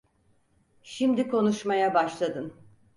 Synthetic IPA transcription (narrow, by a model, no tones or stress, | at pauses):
ʃimd̪ikʰo̞nuʃmajabaʃlˠad̪ɯn